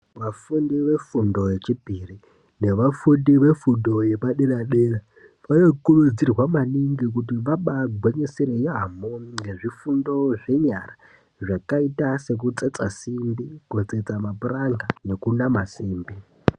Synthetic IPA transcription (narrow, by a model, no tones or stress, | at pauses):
ʋafundiʋe̞fundo̞je̞t͡ʃipiri | ne̞ʋafundiʋe̞fundo̞jepaɗeɾaɗera | ʋajokulud͡zirwamaniŋɡik̬utiʋaɓaɡʱweɲeseɾejamoɡeʐifundo̞ʐe̞ɲara | ʐakaitase̞k̬ut͡set͡sasimbiɡ̥ʱet͡set͡samapuraŋɡane̞kunamasiːmbi